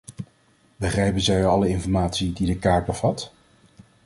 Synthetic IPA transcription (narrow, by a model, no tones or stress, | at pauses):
bəχrɛjpənzɛjɑləɪnfɔɹmaːtsididəkaːɹd̚bəv̥ɑt